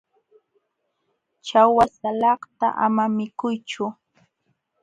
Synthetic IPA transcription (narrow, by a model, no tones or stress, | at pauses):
t͡ʃawasalɑχt̪a̰ʔamamɪkʊjt͡ʃʊ